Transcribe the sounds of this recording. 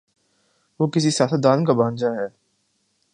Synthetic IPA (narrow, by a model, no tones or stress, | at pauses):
ʋoːkɪsisjaːsət̪̚d̪aːnkabãːnd͡ʒaɦɛː